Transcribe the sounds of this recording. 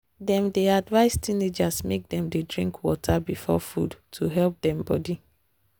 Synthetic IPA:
dɛ̃mdeadvaɪstʰined͡ʒasmek̚dɛ̃mdedɹḭ̃ŋkwɔtʰabifɔ̰fṵdtʰuɦɛlp̚dɛ̃mbɔdi

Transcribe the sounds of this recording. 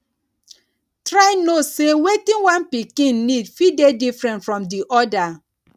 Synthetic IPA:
tɾaɪnosewetĩnwãnpikĩnːidfidedifɾɛ̃ntfɾɔ̃mdiʔɔda

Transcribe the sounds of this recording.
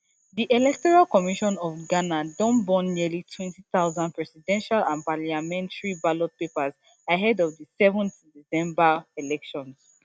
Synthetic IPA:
diʔelɛk̚tɔɹalkɔmiʃɔ̃nɔfɡanadɔ̃nbɔ̃nːiəlitʰwɛ̃ntiθaʊzãnd̚pɹɛsidɛ̃nʃalãnpaliamɛ̃ntaɹibalɔt̚pepaz | aɦɛdɔvdəsɛvɔ̃nθdisɛ̃mbaelɛkʃɔ̃ns

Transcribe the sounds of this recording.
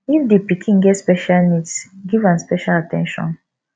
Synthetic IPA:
ifdepikʰĩŋɡɛtspɛʃalnitsɡivãnspɛʃalatʰɛ̰̃nʃɔ̰̃n

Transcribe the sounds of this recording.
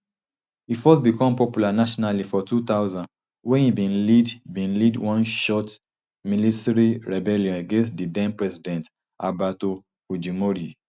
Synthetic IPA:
hifɔtbikɔ̃mpɔpjulanaʃɔnalifɔtut̪aʊzãn | wɛ̃nhibĩnlidibĩnlidwɔ̃nʃɔt | militɛɹiɹɛbɛljɔ̃neɡẽnstdidɛ̃mpɹɛsidɛ̃nt | abato | fud͡ʒimoɾi

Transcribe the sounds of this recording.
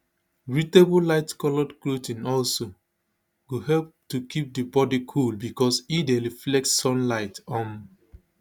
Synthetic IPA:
ɹitebulaɪtkɔlɔdkɹutĩnɔlso | ɡohɛlp̚tukip̚dəbɔdikʰulbikɔsideɹiflɛk̚tsɔ̃nlaɪtɔ̃n

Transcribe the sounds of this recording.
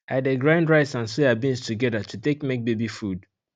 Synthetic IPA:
aɪdeɡɹãndɹaɪtsãnsuabĩnstʰuɡɛðatutekmek̚bebifud

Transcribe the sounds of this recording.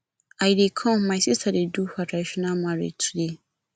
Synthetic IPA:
ajidekʰɔ̃mãɪsistʰadeduɸataɕinãmãɾḛtʰuɾe

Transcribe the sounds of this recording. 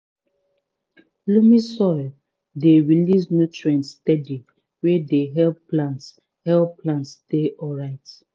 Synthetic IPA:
lumisɔ | deɹilisnutɹɛ̃ntstɛdi | wɛdeɦɛlplan | hɛlpʰlãntsdeʔɔlɹaɪt

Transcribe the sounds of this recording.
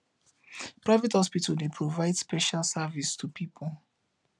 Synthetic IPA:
pɹaɪvɛthɔspitʰaldepʰɹovaɪdspɛʃalsavistʰupʰipʰɔl

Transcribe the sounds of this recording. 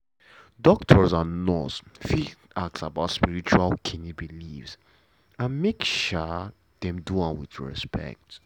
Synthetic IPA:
dɔktʰɔzanɔsfi | ak̚tsabaʊtspiɹit͡ʃualkʰinibilifs | ãnmekʃɔ | dɛ̃mduãnwiθɹɛ̰spʰɛ̰k̚t

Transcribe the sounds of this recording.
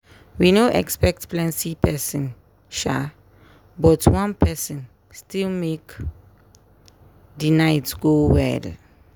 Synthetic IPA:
winoʔɛ̰kspɛk̚tplɛ̃nsipʰɛsɔ̃n | ʃa | bɔtʰwãnpʰɛsɔ̃n | stilmek | dinajtsɡowɛ̰l

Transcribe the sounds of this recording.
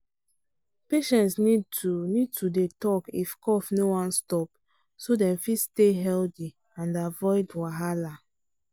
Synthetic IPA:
peʃɛ̃ntsniunid̚tʰudetɔkifkɔfnowãnstɔp | sodɛ̃mfisteɦɛldi | ãndavɔɪdwaɦala

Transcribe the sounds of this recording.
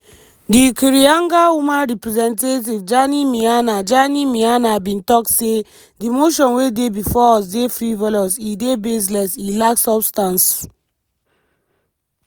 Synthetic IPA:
dikiɹiãŋɡawumãnɹipɹizɛ̃ntet̬ivd͡ʒanimianad͡ʒanimianabĩntɔkse | dimoʃɔ̃nwedebifɔɔs̬defɹivɔlɔsidebes̬lɛsilaksɔbstãns

